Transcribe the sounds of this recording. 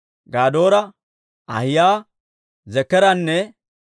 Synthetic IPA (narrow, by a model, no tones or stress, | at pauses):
ɡaːd̪o̞ːɾɐ | ɐ̰hɪjaː | zɛkːɛɾɐnːɛ